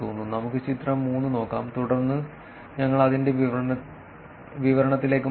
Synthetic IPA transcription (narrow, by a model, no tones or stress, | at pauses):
oːnːunɐmukːɨt͡ɕit̪rɐmːuːnːɨno̞ːkːaːmt̪uɽɐrnːɨ | ɲɐŋːɐɭɐðinde̞ʋi | ʋiʋɐɾɐɳɐt̪ːile̞ːk̬ːɨ